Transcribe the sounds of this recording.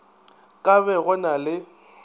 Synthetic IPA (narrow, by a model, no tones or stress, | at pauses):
kʼaβɛɣʊnalɪ